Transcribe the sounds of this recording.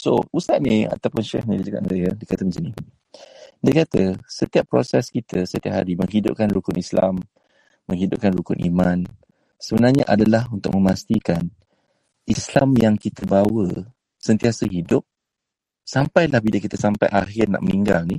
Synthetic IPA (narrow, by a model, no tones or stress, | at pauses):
so̰usaʔ̪̚nia̰t̪awpʊnʃɛhnidid͡ʒaka̰ʔ̪̚nəɾajədiəkat̪əmənsini | diəkat̪əsət̪iapːɾo̰sɛskit̪ʰəsət̪ia̰ʔ̚haɾiməŋɦidʊ̰p̚kanɾukʊnisla̰mː | əŋɦidʊp̚kanɾukʊnʔḭmãn | səbənarɲaʔadalahunt̪ʊ̰k̚mə̃mast̪ikan | islamjaŋkit̪əbawə | sənt̪iasəɦidʊp̚ | sampajlahbiləkit̪əsampajʔaɦɪrna̰ʔməniŋɡalni